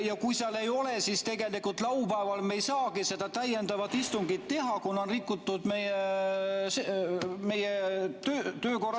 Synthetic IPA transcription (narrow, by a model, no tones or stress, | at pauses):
jɑkujseɑle̞jo̞le̞sist̪e̞ɡe̞likult̪lɑwpæevɑlmejsɑːɡ̥ise̞d̪̥ɑt̪æjend̪ɑvɑt̪ist̪uŋɡ̥it̪t̪e̞ɦɑkunːo̞nrikːˑut̪ːˑud̪̥meje | seme̞jet̪øːt̪øːko̞rɑ